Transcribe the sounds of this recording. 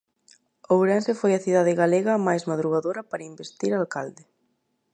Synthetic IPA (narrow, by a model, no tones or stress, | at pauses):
owɾɛnsɪfojɐθiðaðɪɣaleɣɐmajzmaðɾuɣaðoɾɐpaɾɐimbest̪iɾaːlkald̪ɪ